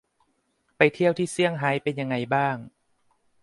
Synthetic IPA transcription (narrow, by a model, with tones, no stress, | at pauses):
pa˧jt̪ʰi˥˩əwt̪ʰiː˥˩si˥˩əŋɦaː˦jpe˧nja˧ŋːa˧jbaː˥˩ŋ